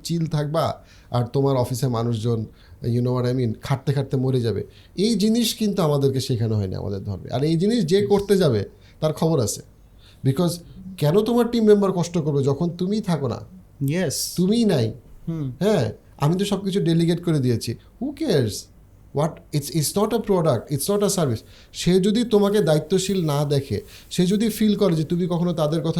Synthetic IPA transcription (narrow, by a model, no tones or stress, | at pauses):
t͡ɕilt̪ʰak̚ba | a̰ɾt̪omaɾɔfiseɾmanuʃ̬d͡ʑon | junoaɾajminkʰaʈ̚t̪ekʰaʈ̚t̪emoɾed͡ʑabḛ | ejd͡ʑiniʃkint̪uamad̪eɾkeʃekʰanoɦɔenḭa̰mʔa̰d̪eɾd̪ʱɔ̰ɾmḛa̰ɾejd͡ʑiniʃ̬d͡ʑekoɾt̪ed͡ʑabe | t̪aɾkʰɔboɾat͡ɕʰe̥ | bikɔzkɛnot̪omaɾʈimːembaɾkɔʃʈokoɾbed͡ʑɔkʰont̪umijt̪ʰakona̰ | jɛst̪umijnajɦɛ̃ | a̰mit̪̬oʃɔb̚kit͡ɕʰuɖeliɡeʈkoɾed̪ijet͡ɕʰi | hukeɾs | wɔʈitsitsnɔʈepɾɔɖak̚ʈitsnɔʈesaɾbʱis | ʃed͡ʑod̪it̪omaked̪ait̪ːoʃilnad̪ɛkʰḛʃed͡ʑod̪ifilkɔɾed͡ʑet̪umikɔkʰonot̪ad̪eɾkɔt̪ʰa